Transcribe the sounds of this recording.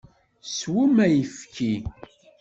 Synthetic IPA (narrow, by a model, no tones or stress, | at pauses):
swəmæjifki